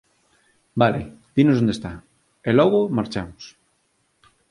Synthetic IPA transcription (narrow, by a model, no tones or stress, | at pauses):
baled̪̥inozðond̪est̪a | elɔɣomaɾt͡ʃamos